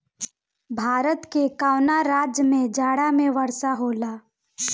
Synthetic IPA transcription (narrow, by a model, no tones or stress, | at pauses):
bʱaːɾət̪kekaːʊnaɾaːd͡ʒjəmẽd͡ʒaːɽamẽʋəɾsaɦoːlaː